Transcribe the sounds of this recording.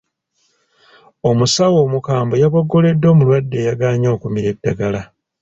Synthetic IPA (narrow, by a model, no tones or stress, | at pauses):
o̞musawo̞ːmukaːmbo̞jaβoɡːo̞le̞dːo̞ːmulwadːe̞ːjaɡaːɲo̞ːkumiɾe̞dːaɡala